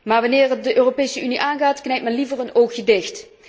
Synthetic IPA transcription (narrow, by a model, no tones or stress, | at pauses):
maːɹʋɑnɪːrət̚dəʔøːropeːjsəʔyniʔaːnɣaːtknɛjtmɛnlivərənowxjədɪxt